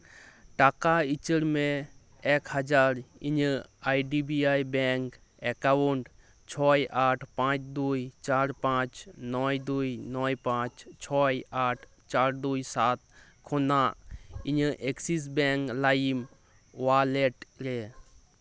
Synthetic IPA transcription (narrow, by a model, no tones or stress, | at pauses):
ʈaːkait͡ʃəɾmẽ | eːkhəd͡ʒaːɾiɲəaːjɖibiaːjbeːŋk | ekawuɳɖ | t͡ʃʰɔːjʔaːʈʰpãːt͡ʃd̪uːjt͡ʃaːɾpãːt͡ʃnɔːjd̪uːinɔːjpãːt͡ʃt͡ʃʰɔːjaːʈʰ | t͡ʃaːɾd̪uːisaːt̪̚ | kʰonãːiɲəʔeksis̬beːŋklaim | ʋaːleʈɾeː